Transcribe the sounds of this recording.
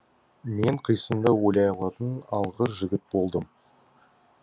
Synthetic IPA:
me̞ɴqʰijsəmd̪ɑwolʲɑjɑlˠɑɾd̪ənɑlˠʁəɾʒɪɡʲɪt̪̚bo̞lˠd̪əm

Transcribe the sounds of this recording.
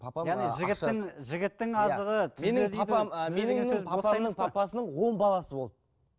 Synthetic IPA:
pʰjɑʁnijʒɪɡʲɪt̪ːɪŋʒɪɡʲɪt̪ːɪŋɑzəʁət̪ʰenɪed̪emenɪŋɵzojnəɑpɑsənəɴwo̞mbɑlˠɑsəbo̞lˠd̪ə

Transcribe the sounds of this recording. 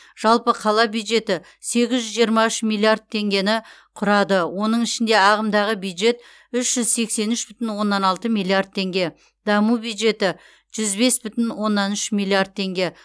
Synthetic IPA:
ʒ̥ɑlˠpəqʰɑlˠɑbjud̪ʒe̞t̪ɪ | se̞ɡʲɪzʒʏzʒijəɾmɑʏʃmilˠiard̪̚t̪ʰe̞ŋɡʲe̞nɪqʰʊɾɑd̪əwo̞nəɴɪʃɪnd̪e̞ɑʁəmd̪ɑʁəbjud̪ʒe̞t̪ | ʏʃʒ̥ʏzse̞kse̞nʏʃbʏt̪ɪnwo̞nːɑnɑlˠt̪əmijlˠiard̪̚t̪ʰːe̞ŋɡʲe̞ | d̪̥ɑmubjud̪ʒe̞t̪ɪ | ʒ̥ʏzbe̞sbʏt̪ɪnwo̞nːɑnʏʃmilˠiard̪̚t̪ʰe̞ŋɡʲe̞

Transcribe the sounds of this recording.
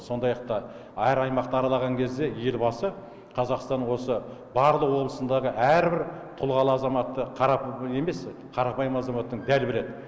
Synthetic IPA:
so̞nd̪ɑjɑq̚t̪ɑ | æɾɑjmɑqt̪əɑɾɑlˠɑʁɑŋkʲʰezd̪e̞je̞lbɑsə | qʰɑzɑqst̪ɑnwo̞səbɑɾlˠəqwo̞blˠəsənd̪ɑʁəʔæɾbɪɾt̪ʰʊlˠʁɑlˠəɑzɑmɑt̪ːəqʰɑɾɑpe̞me̞s | qʰɑɾɑpɑjmɑzɑmɑt̪ːəɴd̪ælbɪɾe̞d̪ɪ

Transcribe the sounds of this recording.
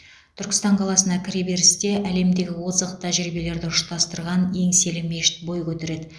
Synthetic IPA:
t̪ʰʏɾkʲɪ̥st̪ɑɴqʰɑlˠɑsənɑkʲʰɪɾebe̞ɾɪst̪e̞ʔæle̞md̪e̞ɡʲɪwozqt̪ʰæʒɾibe̞le̞ɾd̪ɪʊʃt̪ɑst̪əɾʁɑnje̞ŋse̞lɪmːeʃɪ̥t̪̚bo̞jkʲʰɵt̪eɾe̞d̪ɪ

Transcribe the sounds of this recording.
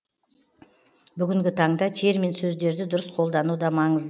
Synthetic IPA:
bʏɡʲɪŋɡʲɪt̪ʰɑɴd̪ɑt̪ʰe̞ɾmensɵzd̪e̞ɾd̪ɪd̪ʊɾəsqʰo̞lˠd̪ɑnud̪ɑmɑɴəzd̪

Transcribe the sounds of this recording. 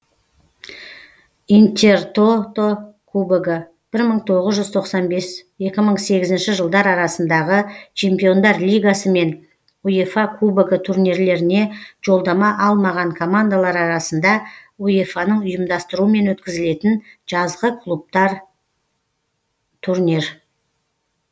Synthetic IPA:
int̪ʲe̞rt̪ot̪okʰubeɡə | b̥ɪɾməɴt̪ʰo̞ʁəzʒʏzt̪ʰo̞qsɑnbe̞sje̞kʲɪməɴse̞ɡʲɪzɪnʃɪʒəlˠd̪ɑɾɑɾɑsənd̪ɑʁət͡ʃʰe̞mpijo̞nd̪ɑɾlʲijɡasəme̞n | ujefɑkʰubeɡət̪ʰuɾniɾle̞ɾɪne̞ʒ̥o̞lˠd̪ɑmɑʔɑlˠmɑʁɑɴkʰo̞mand̪alˠɑɾɑɾɑsənd̪ɑujefanəɴʊjəmd̪ɑst̪əɾuəme̞nwɵt̪kʲɪzɪle̞t̪ɪnʒ̥ɑzʁəkʰʊlˠup̚t̪ɑɾ | t̪ʰuɾnʲiɾ

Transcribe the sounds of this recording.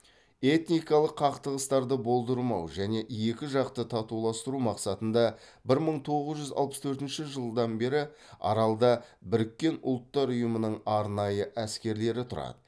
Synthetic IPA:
e̞t̪nijkɑlˠəqːʰɑqt̪əʁəst̪ɑɾd̪əbo̞lˠd̪əɾmɑwʒæne̞je̞kʲɪʒɑqt̪ət̪ʰɑt̪ulˠɑst̪əɾumɑqsɑt̪ənd̪ɑ | bɪɾməɴt̪ʰo̞ʁəzʒʏzɑ̰lˠpə̥st̪ʰɵɾt̪ɪnʃɪʒəlˠd̪ɑnbe̞ɾɪ | ɑ̰ɾɑlˠd̪ɑbɪɾɪkʲːe̞nʊ̰lˠt̪ːɑɾʊjəmənəɴɑɾnɑjəʔæskʲe̞ɾle̞ɾɪt̪ʰʊɾɑ̰d̪ə

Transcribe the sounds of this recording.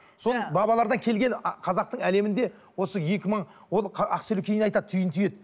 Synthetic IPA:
so̞nbɑbɑlˠɑɾd̪ɑŋkʲʰe̞lɡʲe̞nqʰɑzɑq̚t̪əɴæle̞mɪnd̪e̞ | wo̞səje̞kʲɪməɴ | wolˠʰɑqselukʲʰe̞jnɑjt̪ɑd̪̚t̪ʰʏjɪnt̪ʰʏje̞d̪ɪ

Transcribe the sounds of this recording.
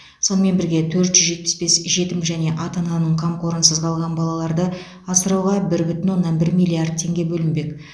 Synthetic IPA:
so̞nəme̞nbɪɾɡʲe̞t̪ʰɵɾt̪ʒ̥ʏzʒe̞t̪̚pɪ̥sbe̞sʒe̞t̪ɪmʒæne̞ʔɑt̪ɑnɑnəɴqʰɑmqo̞ɾənsəzqʰɑlˠʁɑnbɑlˠɑlˠɑɾd̪ə | ɑsəɾɑwʁɑbɪɾbʏt̪ɪnwo̞nːɑnbɪɾmijlʲiard̪̚t̪ʰːe̞ŋɡʲe̞bɵlɪnbe̞k

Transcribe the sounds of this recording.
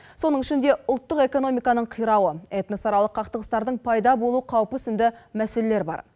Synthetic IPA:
so̞nəɴʏʃɪnd̪e̞ʊlˠt̪ːəqe̞ko̞no̞mijkɑnəɴqʰijɾɑwəet̪nosɑɾɑlˠəqʰːɑqt̪əʁəst̪ɑɾd̪əɴpʰɑjd̪ɑbo̞lˠuqʰɑwəpʏsɪnd̪ɪmæse̞le̞le̞ɾbɑ̰ɾ

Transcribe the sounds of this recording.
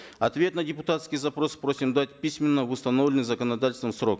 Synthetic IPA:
ɐt̪vʲe̞t̪nɐdʲɪpʊt̪at̪skʲijzɐpɾo̞spɾo̞sʲɪmd̪at̚ʲpʲisʲmʲɪnːəvɨst̪ɐno̞vlʲɪnɨjzəkənɐd̪atʲɪlʲst̪vəmsɾo̞k

